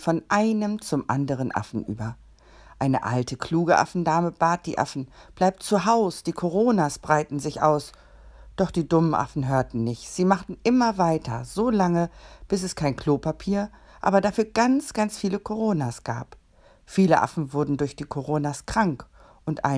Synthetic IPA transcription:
fɔnʔaɪnəmt͡sʊmʔa̰ndəʁ̞ənʔa̰fn̩ʔy̰ːbɐ | ʔaɪnəʔa̰ltʰəkʰl̥uːɡəʔa̰fn̩daːməb̥aːt̚d̥ḭːʔa̰fn̩ | b̥laɪp̚tt͡suɦaʊsd̥iːkʰoʁ̞oːnaːsb̥ʁaɪtn̩zɪçʔa̰ʊs | d̥ɔχd̥iːdʊmənʔa̰fn̩ɦøːɐtn̩nɪçtz̥iːmaχtn̩ʔɪmɐvaɪtʰɐ̰zoːlaŋəb̥ɪsɛskʰaɪnkl̥oːpʰapʰiːɐ | ʔa̰ːbɐdafyːɐɡant͡sɡ̥ant͡sfiːləkʰoʁ̞oːnaːsɡ̥a̰ːp | fiːləʔa̰fn̩vʊɐdn̩dʊɐçd̥iːkʰoʁoːnaːskʁ̥aŋk | ʔʊntʔa̰ɪ

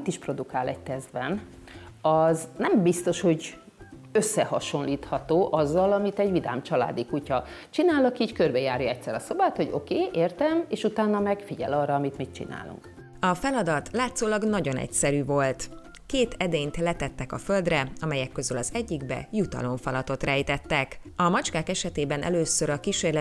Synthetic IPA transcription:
t̪iʃpro̞d̪ukaːlɛc̚t̪ɛzd̪bɛn | ɒznɛmbist̪o̞ʃho̞ɟ | øsːɛhɒʃo̞nliːt̪hɒt̪oːʔɒzːɒlɒmit̪ɛɟvid̪a̰ːmt͡ʃɒla̰ːd̪ikucɒt͡ʃinaːlɒkiːckø̞rbɛjaːɾjɒɛc̪̚sɛɾɒso̞baːt̪ho̞ɟo̞̰keːʔeːrt̪ɛmeːʃut̪aːnːɒmɛɡfiɟɛ̰lɒrɒːmit̪mit̪t͡ʃḭna̰ːlṵŋk | ɒfɛlɒd̪ɒt̪laːt̪soːlɒɡnɒɟo̞nɛ̰csɛɾyːvo̞lt̪ | keːt̪ɛd̪ejnt̪lɛt̪ɛt̪ːɛkɒfø̞ld̪rɛɒmɛjɛkːø̞zylɒzɛɟːiɡbɛ̰jut̪ɒ̰lo̞ɱfɒlɒt̪o̞t̪rɛjt̪ɛt̪ːɛkɒmɒt͡ʃkaːkɛʃɛt̪eːbɛnʔɛ̰løːsøɾɒkiʃeːrlɛ

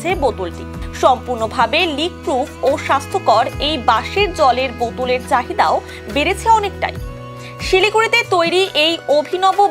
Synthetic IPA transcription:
ebot̪ulʈḭʃɔmpuɾnobʱabelik̚ːɾukoʃast̪ʰokɔɾejbaʃeɾd͡ʑɔleɾbot̪uleɾt͡ɕaɦid̪ao | beɾet͡ɕʰeɔnekʈa̰j | ʃilikuɾit̪et̪ojɾiʔejobʱinɔbo

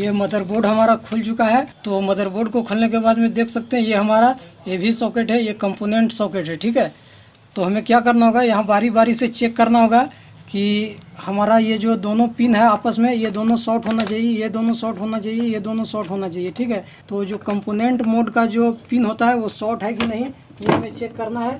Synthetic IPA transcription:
jemɐd̪ʱəɾboːɖɦɐmaːɾakʰʊlt͡ʃʊkaɦɛt̪oːmɐd̪ʱəɾboːɖkokʰʊlnek̬ebaːd̪mẽd̪eːkʰsɐk̚t̪eɦɛ̃jeɦɐmaːɾajebʱisɔːkeʈɦɛjekə̃mpoːnẽɳʈsɔːkeːʈɦɛʈʰiːkɦɛː | t̪oɦɐmẽkjaːk̬ɐɾnaɦoːɡajɐɦãbaːɾibaːɾiset͡ʃeːkːɐɾnaɦoːɡa | kihɐmaːɾajed͡ʒoːd̪oːnõpinɦɛaːpəsmẽjed̪oːnõsɔːʈɦoːnat͡ʃaːɦiejed̪oːnõsɔːʈɦoːnat͡ʃaːɦiejed̪oːnõsɔːʈɦoːnat͡ʃaːɦieʈʰiːkɦɛ | t̪od͡ʒoːkə̃mpoːnẽɳʈmoːɖkad͡ʒoːpinɦoːt̪aɦɛʋosɔːʈɦɛkinəɦĩ | kijeɦɐmẽt͡ʃeːkːəɾnaɦɛ

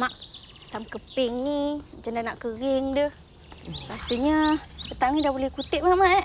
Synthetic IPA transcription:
maʔ | samkəpɪŋnid͡ʒandanaʔkəɣɪŋdəh | ɾasəɲəpət̪aŋnidabolɛhkut̪ɪʔ̚maʔmaʔʔ

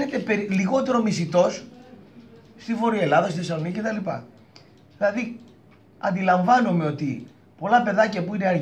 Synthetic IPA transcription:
net̪e̞pe̞ɾiliɣo̞t̪e̞ɾo̞misit̪o̞s | st̪ivo̞ɾie̞lɐðɐst̪iθesɐlo̞niɐcet̪ɐlipɐ̰ | ðilɐði | ɐ̰nd̪ilɐɱvɐnome̞o̞t̪i | po̞lɐpe̞ðɐcɐpuine̞ɐɾʝ

